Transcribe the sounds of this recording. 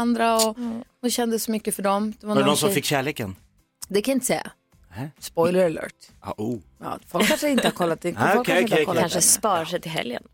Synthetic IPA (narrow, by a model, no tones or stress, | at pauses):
and̪ɾaɔ | ʊɕɛnd̪əsɔmʏkːəfœɖɔmd̪̥ɛvannɔnsɔ̃mfɪkːɕæːɭeːkən | d̪ɛkʰanaɪnt̪əsɛ̰jːa̰ | spɔjlɛɾalœ̰ːʈɑ̰ʔujɑ̰ːfɔfat̪jaɪnt̪əhaɾkʰɔlːat̪d̪ɛkɔkʰaɪkɔlanʂəspɑːɾaʂɛjt̪ʰɪlɦɛ̰ljə̰n